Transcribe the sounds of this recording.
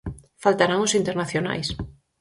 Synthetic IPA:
falt̪aɾaŋʊsint̪eɾnaθjona̰js

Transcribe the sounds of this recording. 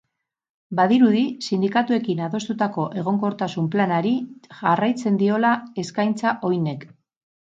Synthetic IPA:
baðiɾuðisind̪ikat̪ue̞kinaðo̞st̪ut̪ako̞ʔe̞ɣ̞o̞ŋko̞ɾt̪asumplanaɾiʝarajt͡se̞nd̪io̞lae̞skajnt͡saʔo̞jne̞k

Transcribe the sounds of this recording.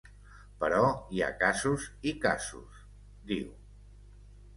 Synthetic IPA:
pəɾɔia̰kazuzika̰zṵs | d̪iw

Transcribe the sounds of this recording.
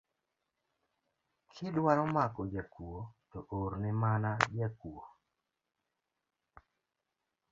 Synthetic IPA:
kʰɪdwaɾɔmakɔd͡ʒɛkwotɔʔoɾnɪmanad͡ʒɛkuo

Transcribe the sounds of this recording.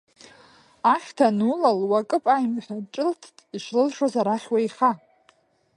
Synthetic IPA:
aχʲtʰanulalwakʼɨpʼajmħʲʷᶣaʈ͡ʂʼɨltʰtʼiʂlɨlʂozaɾaχʲwajχa

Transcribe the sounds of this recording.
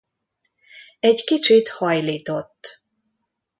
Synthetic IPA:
ɛɟkit͡ʃit̪hɒjliːt̪o̞t̪ː

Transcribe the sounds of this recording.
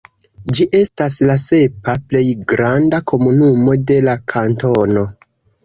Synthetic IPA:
d͡ʒiʔe̞staslase̞paple̞jɡɾandakʰo̞munumo̞de̞lakʰanto̞no̞

